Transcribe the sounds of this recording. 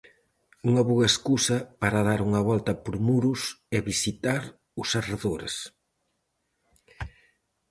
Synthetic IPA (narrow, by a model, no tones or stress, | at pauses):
uŋɐβuɣɐeskusɐpaɾaðaɾuŋɐβɔlt̪ɐpoɾmuɾusɛβisit̪aɾ | ʊsareðoɾḛs